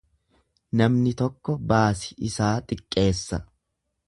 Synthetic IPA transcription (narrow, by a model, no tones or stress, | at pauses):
nɐmnɪt̪ɔkːɔbaːsɪ̥ɪsaːt̪ʼɪkʼːe̞ːsːɐ